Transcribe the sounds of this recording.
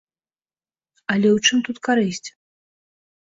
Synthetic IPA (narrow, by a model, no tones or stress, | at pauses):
ɐlʲɛwt͡ʂɨmt̪ut̪kaɾɨsʲt͡sʲ